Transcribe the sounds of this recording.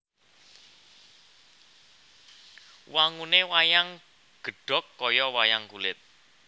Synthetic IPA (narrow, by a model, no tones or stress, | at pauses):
waŋunewajaŋ | ɡ̥ə̤ɖ̥ɔ̤kːɔjɔwajaŋkulɪt̪̚